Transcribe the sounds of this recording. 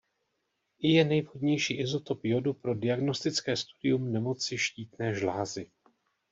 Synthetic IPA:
ɪjɛnɛjvɦo̞dɲɛjʃiːʔɪzo̞t̪o̞pjo̞dupɾo̞dɪaɡno̞st̪ɪt͡skɛːst̪udɪjumnɛmo̞t͡sɪʃciːt̪nɛːʒlaːzɪ

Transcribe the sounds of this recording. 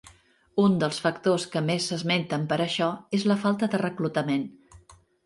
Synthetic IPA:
und̪əlˠsfəkt̪oskəmesːəzment̪əmpəɾəʃɔezləfalˠt̪əðərəklut̪əmen

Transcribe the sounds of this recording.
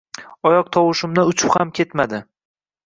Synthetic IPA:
ɒjɒq̚t̪ʰɒwɨʃɪmd̪aʊt͡ʃʰʊphamkʲʰe̞t̪mad̪ɪ

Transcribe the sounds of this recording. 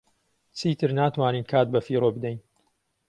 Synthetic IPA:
t͡sʰiːt̪ʰɨɾnaːt̪waːniːnkʰaːt̪̚bɐfiːɾoːbɨd̪ɛjn

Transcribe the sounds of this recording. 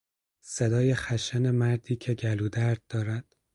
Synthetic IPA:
sed̪ɒːjexæʃænemæɾd̪iːcʰe̞ɟæluːd̪æɾd̪̚ːɒːɾæd̪̥

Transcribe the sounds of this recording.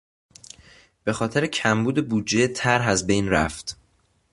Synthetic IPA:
b̥e̞xɒːt̪ʰe̞ɾecʰæmbuːd̪e̞buːd͡ʒːet̪ʰæɾɦæzbe̞jnɾæ̰ft̪

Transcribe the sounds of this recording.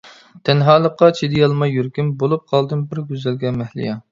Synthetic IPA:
t̪ʰɛnɦɑːlˠəqːɑt͡ʃʰid̪ɪjɑlˠmɑjːyɾkʲymbolˠup̚qʰɑlˠd̪ɨnbɪɾɡʲyzɛlɡʲɛmɛhlɪ̰jɑ

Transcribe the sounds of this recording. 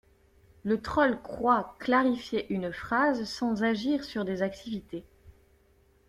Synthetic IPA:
lət̪χɔlkχwaklaʁifjeʔynfχazsɑ̃zaʒiʁsyʁd̪ezak̚t̪ʰivit̪e

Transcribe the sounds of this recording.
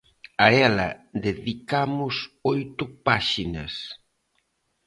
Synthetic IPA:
aɛlɐ̰ðeðikamʊsojt̪ʊpaʃinɐ̰s

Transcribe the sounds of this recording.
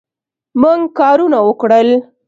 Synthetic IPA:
muŋɡkɑɾunawəkɽəl

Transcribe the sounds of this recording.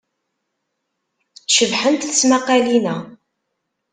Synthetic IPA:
θʃəvħənt̪θə̥smaqælinæ

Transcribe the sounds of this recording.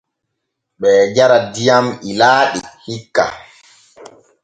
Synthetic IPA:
ɓɛːd͡ʒaɾadijamilaːɗihikːa̰

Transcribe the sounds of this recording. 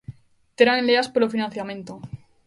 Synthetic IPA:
t̪eɾaŋeleaspolofinãnθjamẽ̞nt̪o

